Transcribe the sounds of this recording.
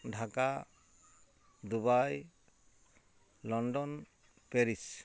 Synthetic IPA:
ɖʱaka | d̪ubaj | lɔnɖɔn | peɾis

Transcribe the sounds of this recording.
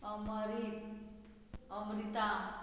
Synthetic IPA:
ʌmʌɾi | ʌmɾit̪a

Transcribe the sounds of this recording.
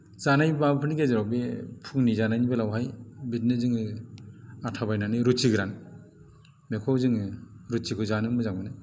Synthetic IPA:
z̥anajbabpʰɯniɡezɯɾawbepʰuŋnizanajnibalawɦajbit̚nɯzɯŋɯ | atʰabajnanɯɾut͡ʃiɡɾan | mekʰɔwzɯŋɯɾut͡ʃikʰɯzanɯmɯzaŋbɯnɯ

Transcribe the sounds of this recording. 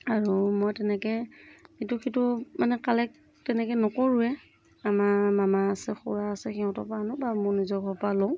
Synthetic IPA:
aɹumɔjtɛnɛkɛituxitʊmanɛkalɛk̚ | tɛnɛkɛnɔkoɹʊɛ | amaɹmamaːsɛxṵɹaːsɛxɛʊ̃tɔpaːnʊbamʊɹnizɔkɔpalɔʊ̃

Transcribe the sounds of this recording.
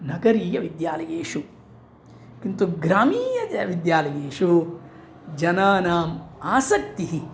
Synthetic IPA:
nɐɡɐɾiːjɐʋid̪jaːlɐjeːʂu | kint̪uɡɾaːmiːjɐʋid̪jaːlɐjeːʂu | d͡ʒɐnaːnaːmaːsɐk̚t̪iɦi

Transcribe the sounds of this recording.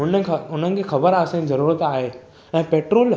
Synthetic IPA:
ʊnəʊn̤ənɪ̆kʰexɐbəɾəsãd͡ʑizɐɾuːɾət̪aːɦeː | ɛ̃ːpeːʈɾoːl

